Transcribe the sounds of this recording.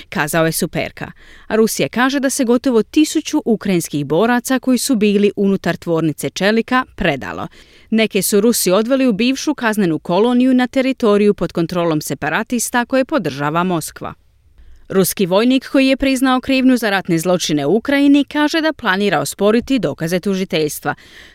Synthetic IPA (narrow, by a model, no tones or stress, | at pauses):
kaːzao̞je̞supḛɾka̰aɾusijakaːʒe̞d̪ase̞ɡo̞t̪o̞ʋo̞t̪isut͡ɕuʔukɾajinskixbo̞ːɾat̪sako̞jisubiːliʔunut̪aɾt̪ʋo̞ːɾnit̪se̞t͡ʃe̞likapɾe̞d̪a̰lˠo̞̰ | ne̞ke̞suɾusio̞d̪ʋe̞liubiːʋʃukazne̞nuko̞lo̞nijunat̪e̞ɾit̪o̞ɾijupod̪ko̞nt̪ɾo̞ːlo̞mse̞paɾat̪ist̪ako̞jepo̞d̪r̩ʒaːʋamo̞skʋa̰ | ɾuskiʋo̞jniːkːo̞jije̞pɾiznao̞kɾiːʋnuzaɾat̪ne̞zlˠo̞t͡ʃine̞uukɾajinikaːʒe̞d̪aplˠaniːɾaospo̞ɾit̪id̪o̞̰ːkaze̞t̪uʒit̪e̞ʎst̪ʋa̰